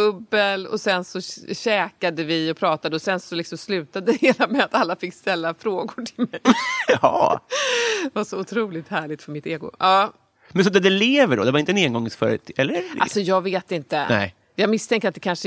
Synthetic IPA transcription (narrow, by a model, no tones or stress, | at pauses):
ɵbːəlɔ̰sɛnsɔɕɛːkad̪əvɪɔpʰɾɑːt̪ad̪əɔsɛnsɔlɪksɔmslʉ̟ːt̪ad̪əheːlamɛat̪alːafɪkːst̪ɛlːafɾoːɡʊʈʰɪ̥lmɛjhɑ̰ | vaʂɔʊt̪ʰɾuːlɪt̪hæːɭɪɡ̚t̪fœɾmɪt̪ːeːɡʊ̰ʔɑː | mɛnsɔd̪ɛd̪ɛleːvəɖɔ̰d̪ɛvaɾɪnt̪əɛneːɡɔŋːəsfœ̰ɾə̰t̪ɛlːəɾa̰sɔjɑːɡveːt̪ɪnt̪ənɛ̰ɪ | jɑːɡmɪst̪ʰɛŋkəɾat̪̚d̪ɛkʰanʂə